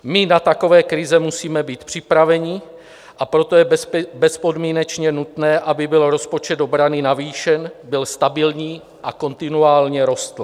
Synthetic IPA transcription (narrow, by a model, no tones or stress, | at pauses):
mɪnat̪ako̞vɛːkɾɪzɛmusiːmɛbiːt̪pr̝̥ɪpɾavɛɲɪ | ʔapɾo̞t̪o̞jɛbɛspo̞dmiːnɛt͡ʃɲɛnut̪nɛːʔabɪbɪlɾo̞spo̞t͡ʃɛd̪obɾanɪnaviːʃɛnbɪlst̪abɪlɲiː | ʔako̞nt̪ɪnuaːlɲɛɾo̞st̪l